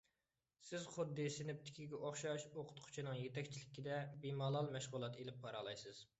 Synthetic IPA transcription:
sɪzχʊd̪ːɨsɪnɪp̚t̪ʰɪ̥kʲʰiɡʲɛʔoχʃɑʃoqʰʊ̥t̪qʰʊ̥t͡ʃʰinɨŋjet̪ɛkʲt͡ʃʰilɪkʲːid̪ɛbimɑːlˠɑlˠmɛʃʁʊlˠɑt̪elɪp̚bɑɾɑlˠɑjsɨz̥

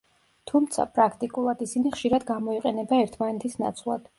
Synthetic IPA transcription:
t̪ʰumt̪sʰa̰pʼɾakʰt̪ʼikʼulˠad̪isiniχʃiɾad̪ɡamɔiqʼɛnɛbaɛɾt̪ʰmanɛt̪ʰisna̰t̪sʰʼlˠa̰d̪̥

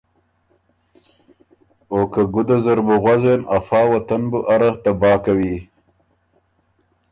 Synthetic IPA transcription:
oːkaɡʊd̪azaɾbuɣwazenafɑːwat̪anbuʔaɾaht̪abɑːkawi

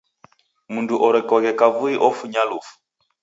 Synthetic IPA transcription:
munduʔɔɾɛkɔɣɛkavuiʔɔfuɲalufu̥

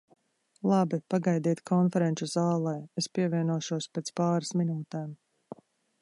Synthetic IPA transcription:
lˠabipaɡajd̪iːt̪kʰɔnfɛɾɛnuzaːlˠɛjespiɛviɛnuɔʃuɔspɛːt̪spaːɾasminuːt̪ɛːm

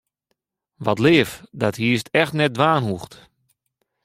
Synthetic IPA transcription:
ʋɔtlɪːəfdɔthiːstɛxtnɛt̚dʋaːnɦuxt

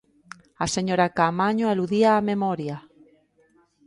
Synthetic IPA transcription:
aseɲoɾakamaɲoeluðiaːmemɔɾja

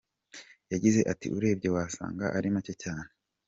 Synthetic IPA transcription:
jaɟize̞ʔatḭʔuɾe̞ːb̚ɟe̞waːsa̰ːŋɡaʔaɾimacocaːne

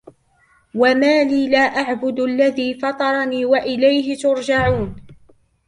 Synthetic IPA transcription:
wamaːliːlaːʔaʕbʊd̪alːaðiːfɑt̪ˤɑɾˤɑniːwaʔɪlajɦɪt̪ʊɾd͡ʒaʕuːn

